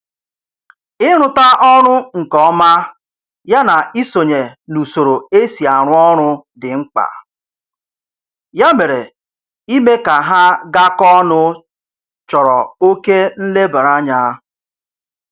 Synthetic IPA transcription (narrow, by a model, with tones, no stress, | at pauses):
ɪ˦ɾ̃ʊ˨ta˦ʔɔ˦ɾʊ˦ŋ̩˨kɔ˦ma˦ | ja˦na˨i˦so˨ɲe˨nu˨so˨ɾo˨e˦si˨a˨ɾʊ˦ɔ˦ɾ̃ʊ˦dɪ˨ŋ͡m̩˦k͡pa̰˨ | ja˦me˨ɾe˨ | i˦me˦ka˨ɦa˦ɡa˦kɔ˦nʊ˦ | t͡ʃɔ˨ɾɔ˨o˦ke˦n̩˦le˦ba˨ɾa˦ɲa˦